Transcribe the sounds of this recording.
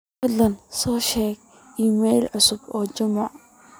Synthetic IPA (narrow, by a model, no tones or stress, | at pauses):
fɐdlɐnsɔːʃɛːɡ̚ | ʔiːmɛjlʕʊsʊbɔːd͡ʒɐmʊʕ